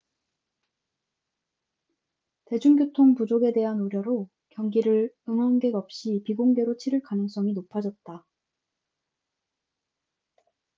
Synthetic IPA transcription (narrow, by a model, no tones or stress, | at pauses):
te̞d͡ʑuŋɡjotʰoŋpud͡ʑoɡe̞de̞ɦanuɾjʌɾo | kjʌŋɡiɾɯɭ | ɯŋʌnɡe̞ɡʌp̚ɕ͈ipiɡoŋɡe̞ɾot͡ɕʰiɾɯɭkanɯŋs͈ʌŋinopʰad͡ʑʌt̚t͈a